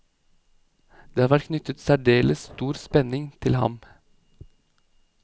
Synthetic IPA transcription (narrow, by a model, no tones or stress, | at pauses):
d̪̥eːɑːʋæʈ̚kʰnʏt̪ət̪sæɖeːləsst̪uːɾspɛnɪŋt̪ʰɪlhɑ̰m